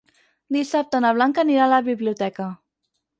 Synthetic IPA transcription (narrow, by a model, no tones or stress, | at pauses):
d̪isap̚t̪ənəβ̞laŋkəniɾaləβiβliut̪ɛkə